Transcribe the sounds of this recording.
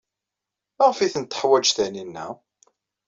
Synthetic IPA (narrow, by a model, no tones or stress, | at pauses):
mæʁfiθənt̪ːə̥ħwæd͡ʒθæninːæ̰